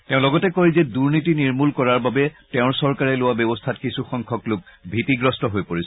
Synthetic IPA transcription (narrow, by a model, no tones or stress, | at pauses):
teʊ̃lɔɡɔtɛkoɹizɛduɹnitiniɹmulkɔɹaɹbabɛtɛʊ̃ɹsɔɹkaɹɛlʊwabɔbɔstʰatkisuxɔŋkʰɔklʊk̚bʱitiɡɹɔstɔɦojpoɹis